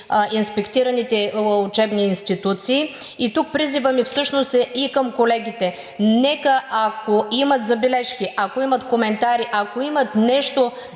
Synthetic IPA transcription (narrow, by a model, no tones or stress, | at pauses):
inspɛkt̪iɾɐnit̪ɛʊt͡ʃɛbniːnst̪it̪ut̪siː | it̪uk̚pɾizivəmifsɤʃnosɛʔikəmkolɛɡ̟it̪ɛ | nɛkəakoimɐt̪zɐbɛlɛʃkiʔakoimɐt̪komɛnt̪aɾiʔakoimɐt̪nɛʃt̪o